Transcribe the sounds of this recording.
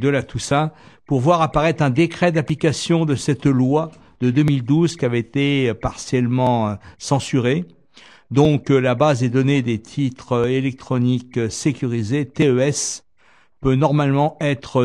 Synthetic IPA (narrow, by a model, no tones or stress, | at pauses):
d̪əlat̪usapuʁvwaʁapaʁɛt̪χɛ̃d̪ekχɛd̪aplikasjɔ̃d̪əsɛt̪lwa | d̪̥əd̪ømild̪uzkʲiavɛet̪epaʁsjɛlmɑ̃øsɑ̃syʁe | d̪ɔ̃klabazɛd̪ɔned̪et̪ʰit̪χelɛk̚t̪χɔniksekʲyʁizet̪eøɛs | pønɔʁmalmɑ̃ɛt̪χə